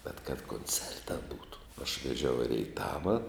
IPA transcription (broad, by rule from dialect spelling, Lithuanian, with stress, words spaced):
bʲɛt kɐt koːnʲˈt͡sʲɛrtɐ ˈbuːtʊ ɐʃ ʋʲɛˈʒʲɛʊ ɪ rʲɛɪˈtɑːʋɐ